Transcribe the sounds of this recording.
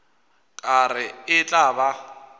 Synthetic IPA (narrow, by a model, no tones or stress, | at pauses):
kʼarɪɪt͡ɬʼaba